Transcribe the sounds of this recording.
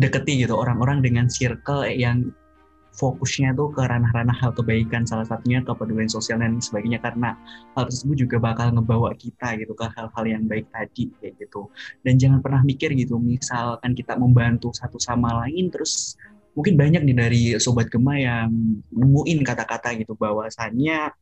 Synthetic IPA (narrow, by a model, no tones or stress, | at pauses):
dəkət̪ːiɡit̪uoɾaŋoɾaŋdəŋansirkəlajaŋ | fokʊsɲat̪ukəɾanahɾanahalkəbaikansalahsat̪uɲakəpadulansosialdansəbaɡɲakaɾənahalt̪ərsəsəbʊt̪̚d͡ʒuɡabakalŋəbawakit̪aɡit̪ukəhalɦaljaŋbaɪk̚t̪adijaɡit̪udand͡ʒaŋanpərnahmikɪrɡit̪umisalkankit̪aməmbant̪usat̪usamalaɪnt̪əɾʊs | muŋkɪnbaɲak̚nidaɾisobat̪̚ɡ̥əmajaŋəmuʔɪnkat̪akat̪aɡit̪ubawasanɲa